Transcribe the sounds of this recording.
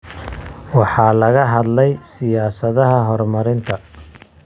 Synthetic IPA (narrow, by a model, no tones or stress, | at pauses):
wɑħɑːlɐɣɐɦɐd̪lɛjsɪjaːsɐðɐɦɐɦɔrmɐɾɪnt̪ʰɐ